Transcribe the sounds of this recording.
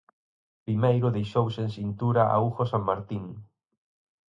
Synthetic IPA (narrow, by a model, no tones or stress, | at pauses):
pɾimejɾʊðejʃowsẽŋsint̪uɾaʔa̰uxosaŋmaɾt̪iŋ